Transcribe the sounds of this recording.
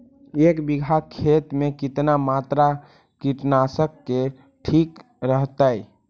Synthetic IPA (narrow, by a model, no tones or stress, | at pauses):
ekbiɡʱakʰːet̪mekit̪namat̪ɾa | kiʈnasəkːe | ʈʰik | ɾəɦt̪əj